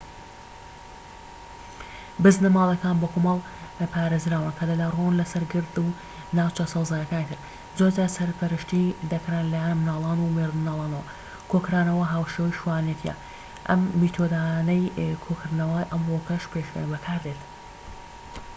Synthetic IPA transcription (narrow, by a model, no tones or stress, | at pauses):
bɨznɐmaːlˠɐkaːnbokʰomɐlˠ | pʰaːɾezɾaːwɨnkʰɐd̪ɐlaronlɐsɐɾɡɨɾd̪u | naːwt͡ʃʰɐsɐwzaːjɐkaːnit̪ʰɨɾ | zoɾzaːɾsɐɾpɐɾɨʃt̪id̪ɐkɾanlajanmnaːlˠaːnumeɾd̪ɨnaːlˠɑːnɐwɐ | kʰokɾaːnɐwɐɦaːwʃewijʃuwaːnjet̪ʰijɐ̰ | ʔɐ̰mːit̪ʰod̪aːjanɐjkʰokʰɨɾd̪nɐwaːjʔɐmwokɐʃpʰeʃbɐkʰaːɾd̪et̪